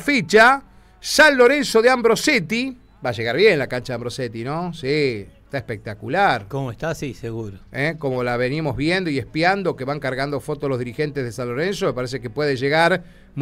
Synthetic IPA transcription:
fit͡ʃa | sanlo̞ɾenso̞ðeambɾo̞set̪i | baʒeɣaɾβjenlakant͡ʃaðeambɾo̞set̪inosiest̪aehpek̚t̪akulaɾkomoest̪asiseɣuɾoeko̞mo̞laβe̞nimo̞zβjend̪o̞iehpjand̪o̞ke̞βaŋkaɾɣand̪ofo̞t̪ozlozðiɾixe̞nt̪ezðesanlo̞ɾensomepaɾes̬ekepwe̞ðeʒeɣaɾ | m

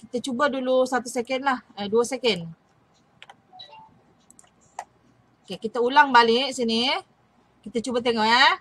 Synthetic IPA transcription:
kit̪ət͡ʃubədulusat̪usɛkənlahəduəsɛkən | okekit̪əulaŋbaliʔsini | kit̪ət͡ʃubat̪̬eŋɔʔa

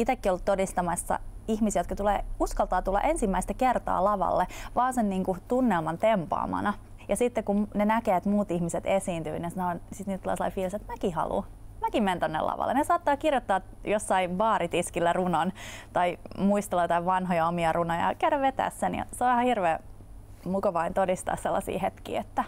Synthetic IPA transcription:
it̪ekːiolːut̪todist̪ɑmɑsːɑ̰ihmisiæjot̪̚kɑt̪ulḛːuskɑlt̪ɑːt̪ulːɑ̰ʔensimːæist̪ækert̪ɑ̰ːlɑʋɑ̰lːeʋɑːnsenniːŋkut̪unːelmɑnt̪empɑ̰ːmɑ̰nɑ | jɑsit̪ːekumnenækeːet̪muːt̪ihmiset̪esiːnt̪y̰ːninsɑnoːnsit̪niːt̪ulḛselɑ̰ifiːlset̪mækihɑ̰lṵ | mækimment̪onːḛlɑ̰ʋɑ̰lːḛnesɑːt̪ːɑːkirjot̪ːɑː | josːɑiʋɑːɾit̪iskilːærunont̪ɑimuist̪elojt̪ɑiʋʋɑnɦojɑomiɑrunojɑ̰kæydæʋʋet̪æ̰ːssenjɑ̰seoæhɑhirʋeː | mukɑʋɑint̪odist̪ɑ̰ːsselːɑ̰sḭːhet̪kḭːet̪ːæ

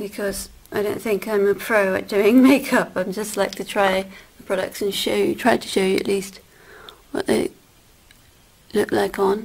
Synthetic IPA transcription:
b̥ɨkʰʌz | aɪɾõʊ̃nθɪ̃ŋkãɪ̃məpʰɹ̥oʊɨ̰t̚d̥ʉɪ̃ŋmeɪkʰʌpãɪ̃md͡ʒʌstˡlaɪk̚tʰɨtʰɹ̥aɪðəpʰɹ̥ɒɾʌ̰k̚tsɨ̃nʃoʊjɨtʰɹ̥aɪtʰə̥ʃoʊjɨɨ̰ʔlist̚ | wʌ̰ʔðḛɪ | lʊk̚laɪkn̩

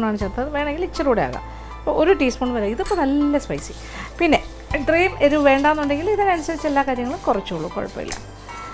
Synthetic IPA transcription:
ɳaːɳɨt͡ɕeːrt̪ːɐðɨʋe̞ːɳeŋɡilit͡ɕːɐɾuːɽeja̰ːɣa̰m | ɐpːoʔoɾuʈiːsmoɳɖʋɐɾaːiðipːonɐlːɐspɐjsi | pinːe̞ | ɖriːmeɾuʋe̞ːɳɖaːʋnːuɳɖe̞ŋɡiliðɐnɐnusɐɾit͡ɕːelːaːkaːɾjɐŋːɐɭulkurɐt͡ɕːuoɭːṵko̰ɻɐ̰pːɐ̰ḭlːɐ̰

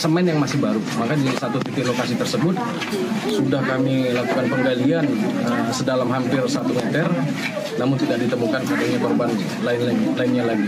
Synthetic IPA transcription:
səmaɪnjaŋmasɪhbaɾumakadisat̪ut̪ip̪ɪlokasit̪ərsəbʊt̪̚ | sudahkamilakukanpəŋɡalianəsədalamɦampɪrsat̪umɛt̪ər | namʊnt̪idaʔ̚dit̪əmukankataɲakɔrban | laɪnnlaɪnɲalaɪn

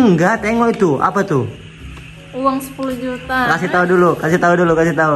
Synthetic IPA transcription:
ŋɡat̪ɛŋɔit̪ua̰pat̪u | uwaŋsə̥puluhd͡ʒut̪akasit̪audulukasit̪audulukasiht̪au

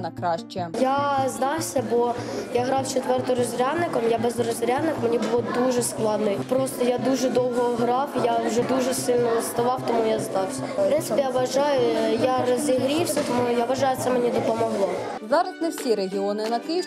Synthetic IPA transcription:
nɐkɾɑʃt͡ʃɛjazd̪ɑwsʲɐbɔjaɦɾɑwt͡ʃet̪ʋɛrt̪ɔɾɔzʲɾʲad̪nɪkɔmjabɛzrɔzʲɾʲad̪nɪkmenʲibʊlˠɔd̪uʒɛsklˠɑd̪nɔjpɾɔst̪ɔjad̪uʒɛd̪ɔwɦɔɦɾɑwjawʒɛd̪uʒɛsɪlʲnɔlɐst̪ɐʋɑwt̪ɔmujazd̪ɑwsʲɐɾɛsʲt̪jaʋɐʒɑjʊjarɔzʲiɦɾʲiwsʲɐt̪ɔmujaʋɐʒɑjʊt̪sɛmenʲid̪ɔpɔmɔɦlˠɔ | zɑɾɐsʲnɛwsʲiɾeɦʲiɔnɪnɐkɪj

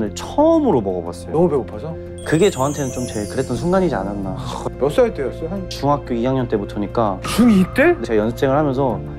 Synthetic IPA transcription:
nɯɭt͡ɕʰʌmɯɾomʌɡʌbwa̰s͈ʌjoʌmubeopʰasʌ | kɯɡe̞t͡ɕʌɦantʰenɯnt͡ɕomt͡ɕeɭkɯɾe̞t͈ʌnsʰuŋɡaɲid͡ʑia̰nanːamjʌs͈ait͈eʌs͈ʌt͡ɕuŋɦak̚k͈joijaŋɲʌnt͈e̞butʰʌɲik͈at͡ɕuit͈edeajʌnsʰʌt͡ɕ͈ʰeŋɯɭhamjʌnsʰʌ

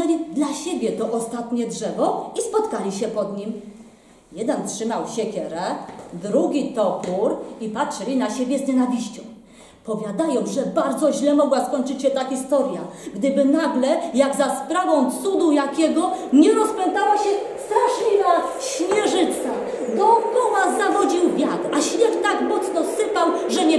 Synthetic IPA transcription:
nɛlʲid̪laɕɛbʲjɛt̪ɔʔɔst̪at̪ɲɛdʐɛvɔispɔt̪kalʲiɕɛpɔd̪ɲim | jɛd̪ɛntʂɘmawɕɛkʲɛɾɛd̪ɾuɡʲit̪ɔkuɾipatʂɛlʲinaɕebʲjɛzɲɛnavʲiɕt͡ɕɔ̃w̃ | pɔvʲjad̪ajɔ̃w̃ʐɛbaɾd̪zɔʑlɛmɔɡwaskɔɲt͡ʂɘt͡ɕɕɛt̪axʲist̪ɔɾjaɡd̪ɘbɘnaɡlɛjaɡzaspɾavɔ̃w̃t̪sud̪ujakʲɛɡɔɲɛɾɔspɛnt̪awaɕɛst̪ɾaʂlʲivaɕmʲjɛʐɘt̪sa | d̪ɔŋkɔ̃w̃azavɔd͡ʑiwvʲjaɡ̪aɕmʲɛxt̪aɡmɔt̪snɔsɘpawʐɛɲɛ

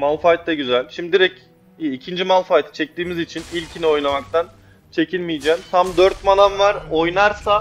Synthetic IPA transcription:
malˠfajt̪laɟyzælʲʃimid̪iɾɛcː | cʰind͡ʒimalˠfajt̪ʰt͡ʃʰɛc̚t̪iːmizit͡ʃʰinilʲcʰinio̞jnamak̚t̪ʰan | t͡ʃʰe̞cʰilʲmijd͡ʒɛːmt̪ʰamd̪øɾt̪mananvaɾo̞jnaɾsa

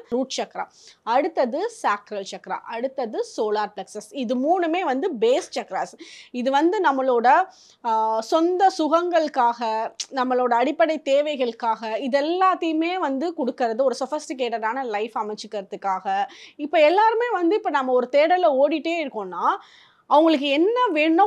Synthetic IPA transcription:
ɾuːʈt͡ʃɐkːɾa̰ | ɐɽɯt̪ːɐðɯsaːkɾɐlt͡ʃɐkːɾa̰ʔɐɽɯt̪ːɐðɯsoːlaːɾplɐksɐsɪðɯmuːɳɯmeːʋɐnd̪ɯbeːst͡ʃɐkːɾaːsɪðɯʋɐnd̪ɯnɐmːɐɭoːɽɐ | sɔnd̪ɐsʊɣɐŋɡɐɭkːaːɣɐnɐmːɐɭoːɽɐːɽɪpːɐɽɐɪt̪ːeːʋɐɪɣɐɭɯkːaːɣɐɪðɛlːaːt̪ːɐjɯmeːʋɐnd̪ɯkɔɽɯkːɪɾɐðɯɔɾɯsɐfɪsʈɪk̬eːʈɐɾaːnɐlɐɪfɐmɐt͡ʃːɯkːɐɾɐt̪ːɯkːaːɣɐɪpːoɛlːaːɾɯmeːʋɐnd̪ɯɪpːɐnɐmːɐɔɾɯt̪eːɽɐlɐoːɽɪʈːeːɪɾɯkːõːnːaː | ɐʋʊŋɡɐɭɯk̬ːɯɛnːɐʋeːɳːʊ̃

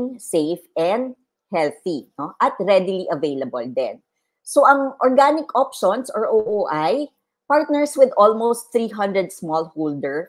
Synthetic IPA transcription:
ŋsejfʔɛnd̪̚ | hɛlθinoʔɐt̪ɾɛd̪ɪliʔɐvejlɐbɐld̪ɛ̰n | soʔɐŋʔɔɹɡanɪkʔɔpʃonsɔɹʔoʔoːʔaj | paɹt̪̚nɛɹswɪd̪ʔolmost̪θɾiɦɐ̃nd̪ɹɛd̪̚smɔlhold̪ɛɹ

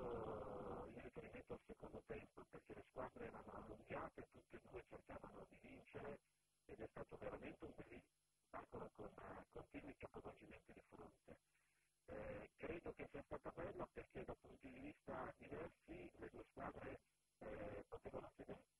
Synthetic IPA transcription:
o | irːifeɾiment̪oalsekond̪ot̪ɛmpoperk̟eleskwaːd̪ɾeɛːɾanoanːuŋɡjaːt̪et̪ut̪ːed̪uːet͡ʃerkaːvanod̪ivint͡ʃeɾe | ed̪ɛst̪aːt̪oveɾament̪eumbɛlːi | pakolokonkont̪iːnuikapːovod͡ʒiment̪id̪ifɾo̰nt̪e | kɾeːd̪okesːiast̪aːt̪abɛlːaperked̪alpunt̪od̪ivist̪ad̪ivɛrsiled̪ueskwaːd̪ɾe | pot̪eːvanot̪ed̪e

